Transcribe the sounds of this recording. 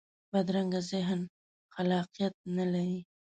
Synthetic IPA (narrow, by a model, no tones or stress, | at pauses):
b̥ad̪ɾaŋɡazɪɦn | xalɑqijat̪̚nalaɾi